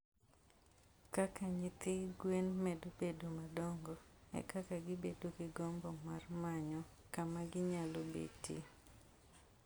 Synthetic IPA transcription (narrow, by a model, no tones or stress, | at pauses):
kakaɲɪt̪ɪɡwenmɛdobedomadoŋɡoɛ̰kakaɡɪbedokɪɡɔmbɔmarmaɲɔ | kamaɡɪɲalobḛtḭ